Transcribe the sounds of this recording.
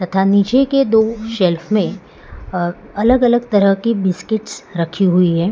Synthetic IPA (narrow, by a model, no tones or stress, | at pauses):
t̪ɐt̪ʰanit͡ʃeked̪oːʃɛlfmẽ | ɐləɡɐləɡt̪ɐɾəɦkibɪskɪʈsɾɐkʰiɦʊiɦɛː